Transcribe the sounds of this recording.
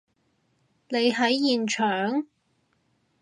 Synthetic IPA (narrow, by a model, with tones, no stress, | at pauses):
ne˨˧jɦɐ˨˥jːiː˨nt͡ʃʰœː˨˩ŋ